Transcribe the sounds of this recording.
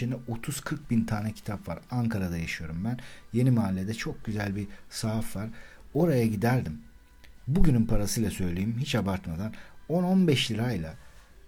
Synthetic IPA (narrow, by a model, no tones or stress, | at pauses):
inɛʔo̞t̪ʰuz̥kʰɯɾk̚bint̪ʰaːnɛcʰi̥t̪ʰapva̰ɾaŋkʰaɾad̪ajaʃɯjo̞ɾumbænje̞nimaːlʲːe̞d̪ɛt͡ʃʰo̞k̚ɟyzælʲbisaːfvaɾ | o̞ɾajaɟid̪æɾd̪im | buɟynynpʰaɾasɯjlˠasø̞jlʲejimhit͡ʃabaɾt̪mad̪ano̞no̞nbɛʃlʲiɾajlˠa